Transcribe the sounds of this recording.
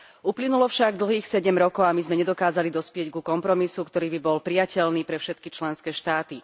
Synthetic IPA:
uplinulɔfʃaɡd̪l̩ɦiːxsɛɟɛmɾɔkɔʊamizmɛɲɛd̪ɔkaːzalid̪ɔspɪɛɟɡukɔmpɾɔmisukt̪ɔɾiːbibɔlpɾijacɛlniːpɾɛfʃɛt̪kit͡ʃlɛnskɛːʃt̪aːt̪i

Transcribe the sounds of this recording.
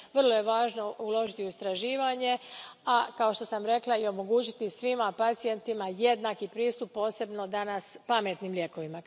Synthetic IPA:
ʋr̩lˠo̞je̞ʋaːʒno̞ulo̞ʒit̪iuist̪ɾaʒiːʋaɲe̞akao̞ʃt̪o̞samɾe̞klˠaio̞mo̞ɡuːt͡ɕit̪isʋimapat̪sije̞nt̪imaje̞d̪nakipɾiːst̪upːo̞ːse̞bno̞d̪anaspame̞t̪nimlje̞ko̞ʋima

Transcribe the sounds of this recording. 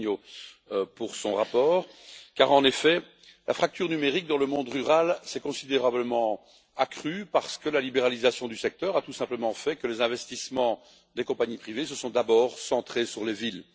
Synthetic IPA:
o | puʁsɔ̃ʁapɔːʁkaʁɑ̃nefɛ | lʔa̰fχak̚t̪yʁnymeʁik̚d̪ɑ̃ləmɔ̃d̪ʁyʁalsɛkɔ̃sid̪eʁabləmɑ̃ | akχypaʁsə̥kəlalibeʁalizasjɔ̃d̪ysɛk̚t̪œːʁat̪usɛ̃pləmɑ̃fɛkəlezɛ̃vɛst̪ismɑ̃ | d̪ekɔ̃paɲipχivesəsɔ̃d̪abɔːʁsɑ̃t̪χesyʁlevil

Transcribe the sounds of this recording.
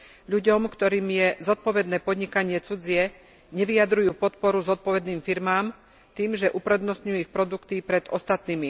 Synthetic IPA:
ʎuɟɔmkt̪ɔɾiːmjɛzɔt̪̚pɔʋɛd̪nɛːpɔd̪ɲikaɲɪɛt͡sud͡ziɛ | ɲɛʋiad̪ɾujuːpɔt̪pɔɾuzɔt̪̚pɔʋɛd̪niːmfiɾmaːm | t̪iːmʒɛʔupɾɛd̪nɔst̪ɲujuixpɾɔd̪ukt̪ipɾɛd̪ʔɔst̪at̪niːmi

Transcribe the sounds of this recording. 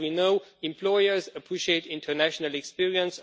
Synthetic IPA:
inoʊɛ̃mpʰl̥ɔɪə˞zəpʰɹ̥iʃieɪtɪ̃ntʰə˞næʃnəlɛkspiɹiə̃ns

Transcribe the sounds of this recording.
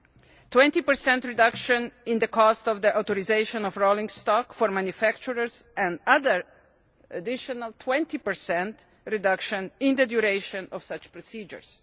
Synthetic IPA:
twɛ̃nt̪ipəɹsɛ̃ntɹidʌkʃə̃nɪ̃nd̪əkʰɔstɔvd̪iʔawt̪ɔɾizeɪʃɔ̃nɔfɹolĩŋstɔkfɔɹmãnjufækt͡ʃuɾəɹsɛ̃ndaðəɹ | ʔadɪʃɔnaltʰwɛ̃nt̪ipəɹsɛ̃nt | ɹidʌkʃə̃nɪ̃nd̪ədjuɾeɪʃɔ̃nɔfsʌt͡ʃpɹɔsid͡ʒə̰ɹs

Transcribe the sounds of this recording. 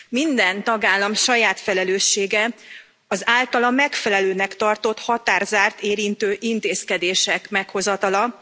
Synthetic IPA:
mind̪ɛnt̪ɒɡaːlːɒmʃɒjaːt̪fɛlɛløːʃːeːɡɛ | ɒzaːlt̪ɒlɒmɛkfɛlɛløːnɛkt̪ɒrt̪o̞t̪hɒt̪aːrzaːrt̪eːɾint̪øːʔint̪eːskɛd̪eːʃɛkmɛkho̞zɒt̪ɒlɒ

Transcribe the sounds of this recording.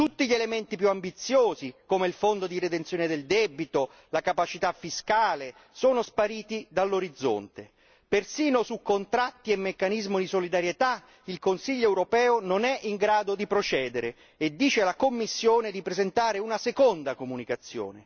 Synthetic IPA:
t̪ut̪ːiʎelement̪ipjuambit̪sːjoːzikomeilfond̪od̪iɾed̪ent̪sjoːned̪eld̪ɛbit̪o | lakapat͡ʃit̪afːiskaːle | soːnospaɾiːt̪id̪alːoɾid̪zːo̰nt̪e | persiːnosukːont̪ɾat̪ːiemːekːanizmid̪isolid̪aɾjet̪a | ilkonsiʎːoɛwɾopɛːononɛʔiŋɡɾaːd̪od̪ipɾot͡ʃɛːd̪eɾe | ed̪ːiːt͡ʃelakomːisːjoːned̪ipɾezent̪aːɾeunasekond̪akomunikat̪sːjo̰ːne

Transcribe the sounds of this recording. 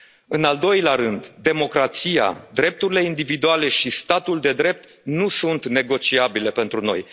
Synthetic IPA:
ɨnald̪o̞jlʲaɾɨnd̪d̪e̞mo̞kɾat̪sija̰d̪ɾe̞p̚t̪uɾile̞ind̪ivid̪uale̞ʃist̪at̪uld̪e̞d̪ɾe̞p̚t̪ | nusunt̪ne̞ɡo̞t͡ʃiabile̞pe̞nt̪ɾuno̞̰j

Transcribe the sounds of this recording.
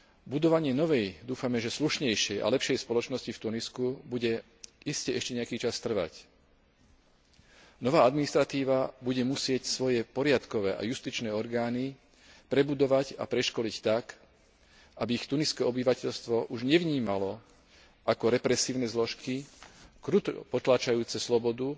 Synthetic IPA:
bud̪ɔʋaɲɪɛnɔʋɛjd̪uːfamɛʒɛsluʃɲɛjʃɪɛjʔa̰lɛpʃɛjspɔlɔt͡ʃnɔscift̪uniskubuɟɛ | iscɛɛʃcɛɲɛakiːt͡ʃast̪r̩ʋa̰c | nɔʋaːad̪minist̪ɾat̪iːʋabuɟɛmusɪɛcsʋɔjɛpɔɾɪat̪kɔʋɛːʔa̰just̪it͡ʃnɛːɔɾɡaːni | pɾɛbud̪ɔʋaɟa̰pɾɛʃkɔlict̪ak | ʔabiːxt̪uniskɛɔbiʋacɛʎst̪ʋɔʔuʒɲɛʋɲiːmalɔ | ʔakɔɾɛpɾɛsiːʊnɛzlɔʃkikɾut̪pɔt̪laːt͡ʃajuːt͡sɛslɔbɔd̪u

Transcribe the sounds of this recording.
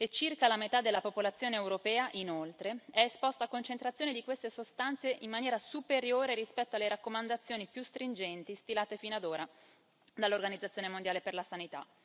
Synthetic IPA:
et͡ʃːirkalamet̪ad̪elːapopolat̪sːjoːneewɾopɛːaʔinolt̪ɾeɛespɔst̪aːkːont͡ʃent̪ɾat̪sjoːned̪ikwest̪esost̪ant̪seʔimːanjɛːɾasupeɾjoːɾeɾispɛt̪ːoalːeɾakːomand̪at̪sːjoːnipjust̪ɾind͡ʒɛnt̪ist̪ilaːt̪efinoad̪oːɾa | d̪alːorɡanid̪zat̪sːjoːnemond̪jaːleperlasanit̪a̰

